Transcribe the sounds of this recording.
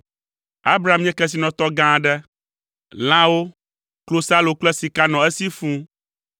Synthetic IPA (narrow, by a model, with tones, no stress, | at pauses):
a˦bɾa˨a˦˨mĩ˦ɛ̃˦kɛ˦s̬i˨nɔ̃˨t̪ɔ˦ɡã˦ɖɛ˦ | l̃ã˦wo˦ | klo˦sa˦lo˨k͡plɛ˦si˨ka˦nɔ̃˨ɛ˦si˦fũ˦